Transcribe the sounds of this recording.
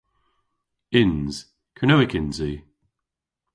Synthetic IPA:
ɪnz̥ | kʰənowɪkʰɪnzi

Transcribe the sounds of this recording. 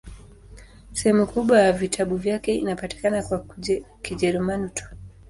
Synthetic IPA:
sɛhɛmukuɓwajavitʰaɓuvjakɛḭnapati̥kanakwa | kiʄɛɾɛmanutʰɔ̥

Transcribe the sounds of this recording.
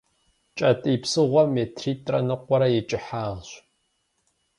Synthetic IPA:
t͡ʃʼɐtʼiːpsɨʁʷɔmeːtʰriːtʼrɐnɨqʷɔɾɐjɛt͡ʃʼɪħaːʁɕ

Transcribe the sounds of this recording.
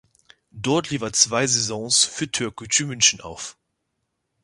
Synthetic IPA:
d̥ɔɐtliːfɐt͡sv̥aɪzɛzɔ̃ŋsfyːɐtʰøɐkʊtʰyːmʏnçn̩a̰ʊf

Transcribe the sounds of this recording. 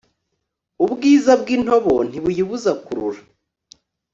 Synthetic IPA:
ubɡiːzabɡin̥ho̞βo̞n̥hiβujiβuzakuɾṵɾa

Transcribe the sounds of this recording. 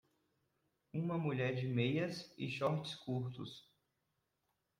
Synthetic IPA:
ũmɐmuʎɛɾd͡ʒɪmejɐsɪ̰ʃɔɾt͡ʃɪ̥skuɾt̪ʊ̰s

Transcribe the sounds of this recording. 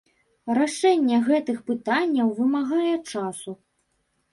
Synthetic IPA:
raʂɛnʲːɛɣɛt̪ɨxpɨt̪anʲːɐwvɨmaɣajɛt͡ʂasu

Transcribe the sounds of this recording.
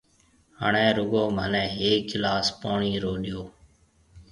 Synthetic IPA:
ɦə̰ɳɛ̃ːɾʊɡoːmə̰nɛ̃ːɦeːklaːspoːɳiːɾoːɗɪjoː

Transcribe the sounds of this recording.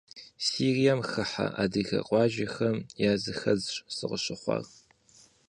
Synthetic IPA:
siːrijamxɨħa̰ʔaːdɨɣɐ̰qʼɑːʒexɐmjaːzɨxɐd͡zɕsɨqəɕɪχʷɑ̰r

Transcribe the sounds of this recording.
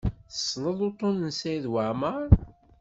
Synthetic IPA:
θə̥sˤːləðˤot̪ˤːonənsæðwaʕməɾˤ

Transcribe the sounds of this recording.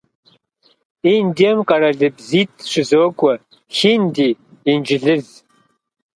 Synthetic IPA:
indiɛmqʼɐɾɐɮɨbziːt̚ʰʼʂɪzoːkʷʼɔ | xindiːnd͡ʒɪɮɨz

